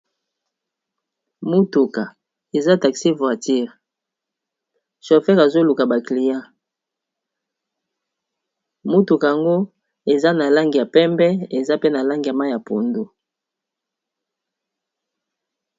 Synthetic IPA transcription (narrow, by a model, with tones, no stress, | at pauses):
mu˦tu˨ka˨ | e˨za˦ta˨ksi˦vwa˨ti˦ʁ | ʃo˨fɛ˦ʁa˨zo˦lu˨ka˨ba˨kli˨jã˦ | mu˦tu˨ka˨a˨ŋɡo˦ | e˨za˦na˨la˦ŋɡi˨ja˨pɛ˦mbɛ˦e˨za˦pe˦na˨la˦ŋɡi˨ja˨ma˦˨ja˨po̰˨ndu˦